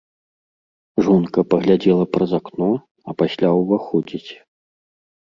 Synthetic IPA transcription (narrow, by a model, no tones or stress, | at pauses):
ʐɔnkɐpɐɣlʲad͡zʲɛlˠɐpɾɐzaknɔ | ɐpasʲlʲawvaxɔd͡zʲit͡sʲ